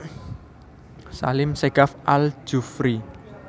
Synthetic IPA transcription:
sa̰lɪmseɡ̥afʔal̥d͡ʒ̥ufɾi

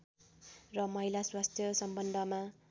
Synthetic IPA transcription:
rʌmʌɦilaswast̪ʰjʌsʌmbʌnd̪ʱʌma

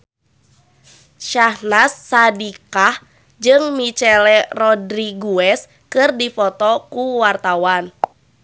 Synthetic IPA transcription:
ʃahnasːadikah | d͡ʒɨŋmit͡ʃɛlɛrɔdɾiɡuɛs | kɨrdifɔt̪ɔkuwart̪awan

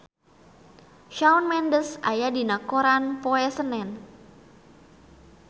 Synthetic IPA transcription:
ʃawnmɛndəsajadinakoɾanpoɛsənɛn

